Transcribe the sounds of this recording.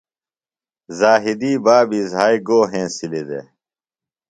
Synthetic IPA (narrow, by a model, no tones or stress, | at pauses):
zaːɦid̪iːbaːbizɦaːiɡoːɦẽːsilid̪ḛ